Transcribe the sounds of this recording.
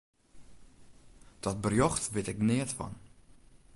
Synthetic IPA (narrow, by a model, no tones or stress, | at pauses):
d̥ɔt̚bərjɔxtʋɪtɛknɪətfɔ̰n